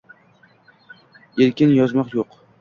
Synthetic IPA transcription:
eɾkʲɪnjɒzmɒqjoq

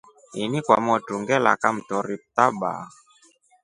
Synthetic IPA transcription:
inikwamɔtuŋɡɛla̰kam̩tɔɾip̚taɓa̰ː

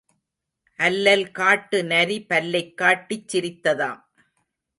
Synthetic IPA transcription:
ʔɐlːɐlkaːʈːɯnɐɾipɐlːɐɪkːaːʈːɪt͡ʃːɪɾɪt̪ːɐða̰ːm

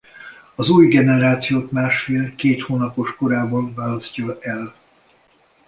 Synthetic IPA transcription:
ɒzuːjɡɛnɛɾaːt̪sijoːt̪maːʃfeːlkeːt̪hoːnɒpo̞ʃko̞ɾaːbɒɱvaːlɒscɒɛl

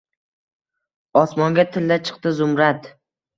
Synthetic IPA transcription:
ɒsmɒŋɡʲat̪ʰɪld̪at͡ʃʰɨ̥q̚t̪ɪzʊmɾat̪

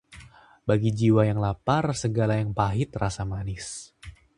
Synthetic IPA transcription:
baɡid͡ʒiwajaŋlaparsəɡalajaŋpaɦɪt̪rasamanɪs

